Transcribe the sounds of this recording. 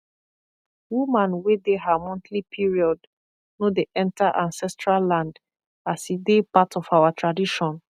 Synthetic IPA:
wumãnwedeɦamɔ̃nθlipʰiɹiɔd | nodeʔɛ̃ntaʔãnsɛstɹalːãnd | asidepatʰɔfawatʰɹadiʃɔ̃n

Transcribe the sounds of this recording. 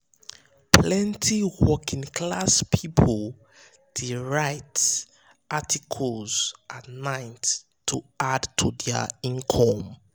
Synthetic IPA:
plɛ̃ntʰiwɔkĩŋkʰlaspʰipʰɔl | d̥iɹaɪt | ʔatʰikʰɔlz̥ʔatnãɪnt | tʰːuadtʰudɛə̰ĩnkʰɔ̃m

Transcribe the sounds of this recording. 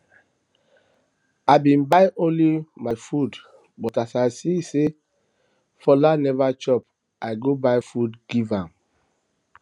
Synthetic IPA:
aɪbĩnbaɪʔõnlimajfud | bɔtasasise | fɔlanɛvat͡ʃɔp | aɪɡobajfudɡ̥ivãm

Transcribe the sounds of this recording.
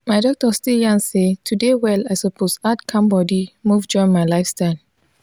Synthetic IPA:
maɪdɔk̚tɔstiljãnsetʰudewɛlaɪsopʰosadkʰãmbɔdimuvd͡ʒɔɹĩnmaɪlaɪfstaɪl

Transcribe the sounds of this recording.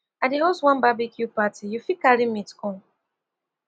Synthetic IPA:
adihoswãnbabikʰjupatijufikalimitkɔn

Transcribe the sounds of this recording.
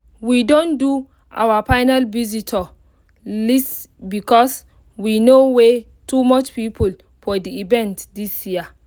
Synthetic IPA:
widõndu | ʔa̰wafajnalvizitʰɔ | lis | bikɔs | winowe | tumɔt͡ʃpipʰul | fɔdiivɛ̃ntdisjia

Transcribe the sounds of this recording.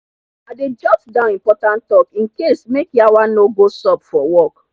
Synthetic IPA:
aded͡ʒɔ̃psdãʊnĩmpɔtãnttɔkĩnkesmekjawanoɡosɔpfɔwɔk

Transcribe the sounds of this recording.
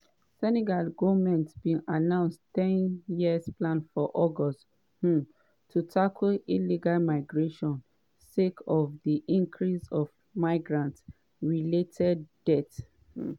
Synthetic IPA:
sɛnɛɡalɡɔvmɛ̃ntbĩŋanãʊ̃nsttɛ̃njiəsplãnfɔʔɔɡɔst | hu | tʰutʰakʰliliɡalmaɪɡɹeʃɔ̃n | sekʰɔvdiʔĩŋkʰɹisɔv | maɪɡɹãnts | ɹiletʰɛdːɛt̩

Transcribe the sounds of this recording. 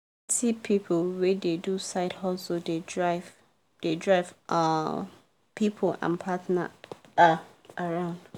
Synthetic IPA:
tipʰipʰowededusaɪdhɔsodedɹaɪv | d̥edɹaɪvʔa | pʰipʰoʔã̰npʰatna̰ | aɹãʊ̃nd

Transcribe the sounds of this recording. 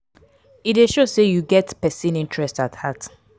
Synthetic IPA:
ideʃosejuɡɛtpɛsĩnĩntʰɹɛstathat

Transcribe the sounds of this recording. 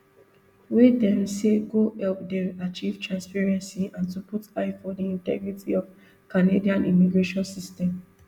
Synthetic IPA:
wedɛ̃mseɡoɛlp̚dɛ̃at͡ʃiv̥tʰɹãnspɛɹɛ̃nsiãntuputaɪfɔdiĩntɛ̰ɡɹitʰiɔv | kanediãnimiɡɹeʃɔ̃nsistɛ̃m

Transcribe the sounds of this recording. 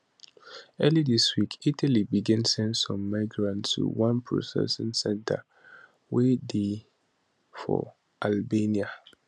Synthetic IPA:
ɛlidiswikʰitʰalibiɡɛ̃nsɛ̃ntsɔ̃mːaɪɡɹãnttʰṵwãnpʰɹo̰sɛ̰sə̃nsɛ̃ntʰa | wede | fɔ̰ | ʔalbenia

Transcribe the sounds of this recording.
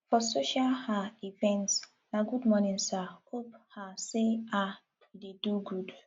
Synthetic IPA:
fɔsoʃalhaivɛ̃nts | naɡudmɔnĩnsahophasea | ideduɡud

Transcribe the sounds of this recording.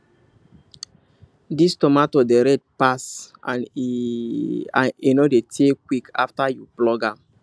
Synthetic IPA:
distɔmatodeɾɛd̚pasan | a̰enɔdetʰekwikʰa̰ftajuplɔɡam

